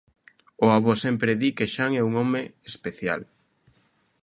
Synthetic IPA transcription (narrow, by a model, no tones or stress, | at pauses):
ʊaβɔsɛmpɾeðikeʃaŋɛuŋɔmeespeθja̰l